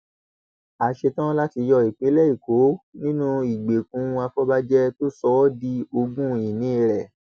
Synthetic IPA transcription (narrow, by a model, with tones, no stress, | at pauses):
a˧ʃe˧tã˦la˦ti˧jɔ˧i˨k͡pe˨˦lɛ˦i˦˨ko˨˦nĩ˦nũ˦i˨ɡ͡be˨kũ˨˦˧a˧fɔ˦ba˦d͡ʒɛ˦to˦sɔ˦di˧o˧ɡũ˦i˨nĩ˨˦˧ɾɛ˨